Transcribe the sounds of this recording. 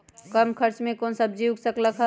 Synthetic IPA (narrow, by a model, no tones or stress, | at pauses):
kəmkʰəɾt͡ʃmẽkoːnsəb̚d͡ʒiwksəkləkɦə